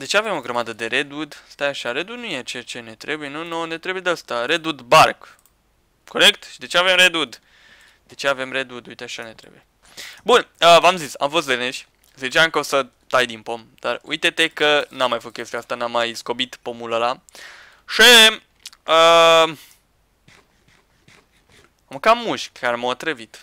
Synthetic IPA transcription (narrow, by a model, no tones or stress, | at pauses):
d̪e̞t͡ʃe̞ave̞mo̞ɡɾəmad̪əd̪e̞ɾed̪ud̪st̪ajaʃaɾe̞d̪ud̪nujet͡ʃeat͡ʃe̞ne̞t̪ɾe̞bujenunone̞t̪ɾe̞bujed̪east̪aɾed̪ud̪bark | kʰo̞ɾe̞kt̪ʃid̪e̞t͡ʃeave̞mɾed̪ud̪ | d̪̥e̞t͡ʃe̞ave̞mɾed̪ud̪ujt̪eaʃane̞t̪ɾebuje | bunəvamzisa̰mfo̞st̪leneʃʲ | zit͡ʃaɨŋkəosə | t̪ajd̪inpo̞m | d̪̥a̰rṵjt̪et̪e̞kənamːajfost̪kʲest̪ujast̪anamːajsko̞bit̪pomuləla | ʂi | ə | amkamːuʃkʰaɾemat̪ɾevit̪